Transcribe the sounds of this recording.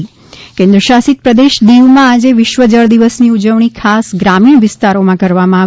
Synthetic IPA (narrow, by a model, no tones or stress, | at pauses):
i | kẽnd̪ɾəʃasit̪̚pɾəd̪eʃd̪iʋmãad͡ʒeʋɪʃʋəd͡ʒəɭd̪iʋəsniud͡ʒəʋɳ̃ikʰasɡɾamiɳ̃ʋɪst̪aɾomãkəɾʋamãaʋ